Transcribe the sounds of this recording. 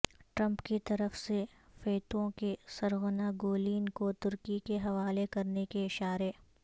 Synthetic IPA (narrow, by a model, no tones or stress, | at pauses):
ʈɾɐ̃mpkit̪ɐɾəfsefeːt̪õkesɐɾɣʊnaɡoːliːnkot̪ʊɾkikeɦɐʋaːlekɐɾnekeɪʃaːɾeː